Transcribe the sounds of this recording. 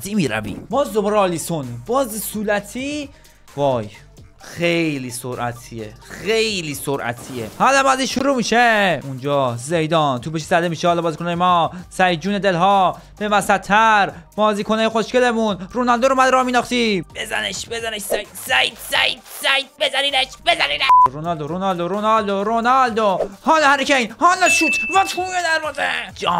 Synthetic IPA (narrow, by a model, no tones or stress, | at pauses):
ziːmiːɾæ̰vḭːbɒːzoboɾɒːlisonbɒːzsuːlæt̪ʰiː | vɒːj | xejliːsoɾʔæ̰t̪ʰie | xejliːsoɾʔæ̰t̪ʰiːḛhalæmaziʃuɾuːmiːʃeund͡ʒɒːzejd̪ɒːnt̪ʰubeʃ̬i̥sæd̪emiːʃehɒːlɒːbɒːzikonɑːjemɒːsæjd͡ʒuːned̪elɦɒː | b̥evæsæt̪ʰːæɾb̥ɒːziːkʰonɑːjeχoʃkelemunɾonɒld̪oɾomæd̪ɾɒːmiːnɒːχt̪ib̥ezæ̰neʃbezæneʃsæt̪sæj̪sæjit̪sæjt̪̚bezæɾinæʃbezæɾinæɾonɒld̪oɾonɒld̪oɾonɒld̪oɾonɒld̪ohɒːlohæɾikʰæinhɒːlɒʃuːt̪ʰvæt̪ʰuːmed̪æɾmɔːzed͡ʒɒ